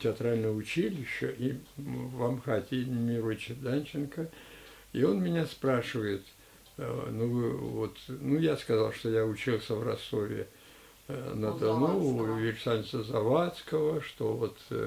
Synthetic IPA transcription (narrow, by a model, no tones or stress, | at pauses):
tʲɪɐt̪ɾalʲnəjəʊt͡ɕilʲɪɕːəʔivɐmxat̪ʲɪmʲɪɾot͡ɕɪd̪anʲt͡ɕɪnkə | io̞nmʲɪnʲaspɾaʂɨvəjɪt̪ | nuɨvot̪nujaskɐzalˠʂt̪ojaʊt͡ɕilˠsʲəvrɐst̪ovʲɪ̰ | nəd̪ɐnujɪɾʲsanʲɪt͡ssəzɐvat̪skəvəʂt̪ovo̞t̪